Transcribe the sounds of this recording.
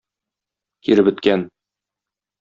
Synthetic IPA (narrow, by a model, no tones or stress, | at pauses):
kiɾɘbɘ̆t̪kæn